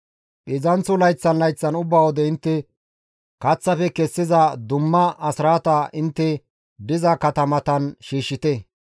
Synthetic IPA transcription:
ɓɪzɐnt͡sːʊlɐjt͡sːɐnlɐjt͡sːɐnʊbːɐwɔd̪ɛɪnt̪ːɛ | kɐt͡sːɐfɛkɛsːɪzɐd̪ʊmːɐɐsɪɾaːt̪ɐʔɪnt̪ːɛ | b̪ɪzɐkɐt̪ɐmɐt̪ɐnʃiːʃːɪt̪ɛ

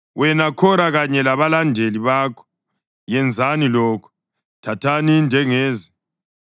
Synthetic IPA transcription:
wɛnakʰɔnaɣaɲɛlaβalandʱeliβaːkʰɔ̥ | jɛnd͡zʱanilɔːkʰɔ̥ | tʰatʰanind͡ʒʱɛŋɛːza

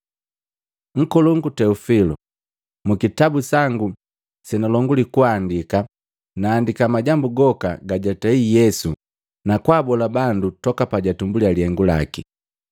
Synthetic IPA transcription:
ŋ̩kɔluŋɡutɛufilɔ | mukitabusaŋɡu | sɛnalɔŋɡulikuandika | naːndikamaɟambuɡɔkaɡaɟataijɛsu | nakwaːbɔlabandutɔkapaɟatumbulialiɛŋɡula̰ki

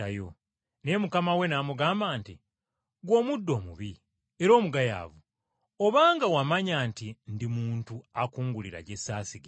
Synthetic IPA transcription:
ajo̰ | ne̞mukamawe̞naːmuɡaːmbaːnti | ɡwo̞ːmudːo̞ːmuβi | e̞ɾo̞ːmuɡaja̰ːvu | oβaːŋɡawamaɲaːntindimuːntuakuːŋɡuliɾa̰ɟe̞saːsiɡe

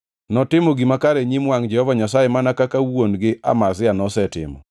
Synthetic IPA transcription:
nɔtɪmɔɡimakaɾɛɲimwaŋd͡ʒɛhɔvaɲasajemanakakawonɡɪa̰masɪanɔsɛtɪ̰mɔ̰

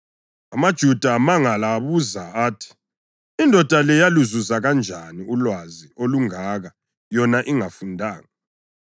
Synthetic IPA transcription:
amad̥ʒ̥ʱud̥ʱamaŋalaːβuzaaːtʰi̥ | indʱɔd̥ʱalɛjaluzuzaɣand͡ʒʱaniulwazioluŋaːɣa | jɔnaʔiŋafundʱaːŋa

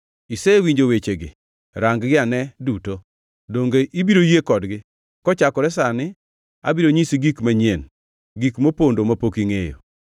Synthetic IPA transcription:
isewiɲd͡ʒowet͡ʃeɡɪ̰ | ɾaŋɡɡɪanɛduto | doŋɡeʔibiɾojekɔdɡɪ | kɔt͡ʃakɔɾɛsanɪ | a̰biɾoɲisɡikmaɲen | ɡikmopondomapokiŋejo̰

